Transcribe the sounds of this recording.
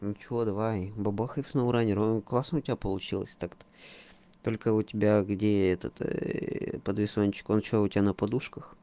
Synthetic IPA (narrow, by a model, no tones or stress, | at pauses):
t͡ɕɪod̪ɐvajbɐbaxəjfsnovʊɾanʲɪɾonklˠasnəʊtʲɪbʲapəlˠʊt͡ɕilˠə̰sʲt̪akt̪ə̥ | t̪o̞lʲkəʊtʲɪbʲaɡdʲeɛt̪ət̪ | pəd̪vʲɪsonʲt͡ɕɪ̥kont͡ɕoʊtʲɪbʲanəpɐd̪uʂkəx